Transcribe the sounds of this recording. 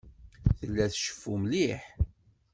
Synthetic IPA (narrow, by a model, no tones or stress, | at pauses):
θəlːæθʃə̥fːumliħ